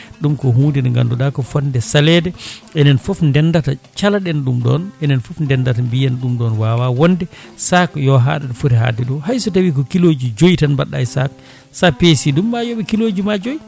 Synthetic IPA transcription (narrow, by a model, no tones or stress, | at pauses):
ɗumkɔɦuːndinɛŋɡa̰nduɗakɔfɔndɛsalɛdɛɛnɛnfɔfndɛndatat͡ʃalaɗɛnɗumɗɔ̰nɛnɛnfɔfndɛndatambijanɗumɗɔnwawawɔndɛsakjɔɦa̰ɗaɗɔfuɾɛɦa̰ːdɛɗɔhajsɔtawik̬ɔkilod͡ʒid͡ʒojtanbaɗːajsak̚ | sapesidumbajoɓɛkilod͡ʒimad͡ʒoji